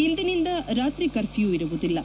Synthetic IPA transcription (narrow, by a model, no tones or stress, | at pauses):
ind̪inind̪ɐɾaːt̪rikːɐrfijuʋiɾuʋut̪ːilːɐ